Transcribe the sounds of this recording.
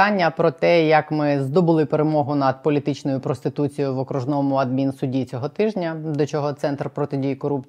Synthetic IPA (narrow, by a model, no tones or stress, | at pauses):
anʲːɐpɾɔt̪ɛjɐkmɪzd̪ɔbʊlˠɪpeɾemɔɦʊnɐd̪̚pɔlʲit̪ɪt͡ʃnɔjʊpɾɔst̪ɪt̪ut͡sʲijʊʋɔkɾʊʒnɔmʊɐd̪̚mʲinsʊdʲit͡sʲɔɦɔt̪ɪʒnʲɐd̪ɔt͡ʃɔɦɔt̪sɛnt̪rpɾɔt̪ɪdʲijikɔɾupt͡sʲ